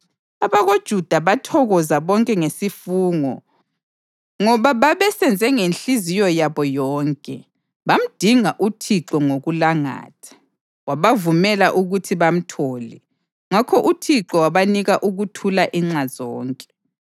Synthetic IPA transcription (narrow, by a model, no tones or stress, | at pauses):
aβaɣod̥ʒ̥ʱud̥ʱaβatʰɔɣɔzaβɔŋkʼɛŋesifuːŋɔ | ŋɔβaβaβɛsɛnd͡zʱɛŋenɬizijɔjaβɔjɔːŋkʼɛ | βam̩d̥ʱiŋaʔutʰiǁɔŋoɣulaŋa̰ːtʰḁ | waβavumɛlaʔuɣutʰiβam̩tʰɔːlɛ | ŋakʰɔʔutʰiǁɔwaβaniɣaʔuɣutʰulaʔiŋ͡ǁaz̥ɔːŋkʼɛ̥